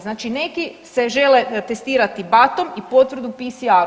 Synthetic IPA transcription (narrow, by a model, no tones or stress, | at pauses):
znaːt͡ʃine̞kise̞ʒe̞let̪e̞st̪iːɾat̪ibat̪o̞mipo̞t̪ʋɾ̩d̪upisia